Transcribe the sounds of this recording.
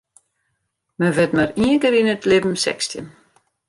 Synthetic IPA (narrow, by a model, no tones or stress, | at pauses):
məʋɪtmaɾiəŋkəɾinətlɪvm̩sɛ̰kstjə̰n